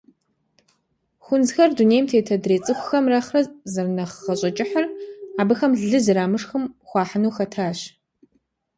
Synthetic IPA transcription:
xʷʊnzxɐrdunejmtʰeːtʰɐdreːt͡sʼɨxʷʊxɐmrɐχrɐzɐrnɐχːɐɕʼɐt͡ʃʼɪħɐraːbɨxɐmɮɨzɨɾaːmɨʂxɨmxʷɑːħənuwxɐtʰaːɕ

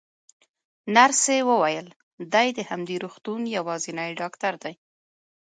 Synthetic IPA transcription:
naɾsewəwajəl | d̪ajd̪əhamd̪eɾuxt̪unjawɑzinajɖɑkt̪aɾd̪aj

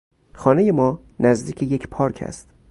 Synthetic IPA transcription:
xɒːneje̞mɒː | næzd̪iːkʰeje̞kʰpʰɒːɾkʰæ̰st̪

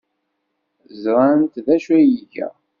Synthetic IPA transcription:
zɾˤant̪ðæʃæjiʝæ̰

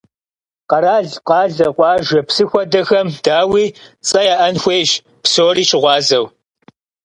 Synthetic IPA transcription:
qɐɾaːɮqɑːɮɐqʷɑːʒʷɐpsɨxʷɔdɐxɐmd̥aːwiːt͡sʼɐjaːʔɐnxʷeːʒ | psoːɾiːʃɪʁʷɑːzɐw

